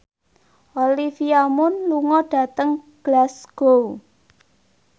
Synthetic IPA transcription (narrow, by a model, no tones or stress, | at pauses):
ʔolifiamʊnluŋɔɖ̥ä̤t̪əŋ | ɡ̥lasɡ̥o